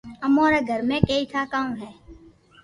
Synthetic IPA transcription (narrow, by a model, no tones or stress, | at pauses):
əmoːɾeɡʱəɾmẽkeːit̪ʰaːkaːũɦɛː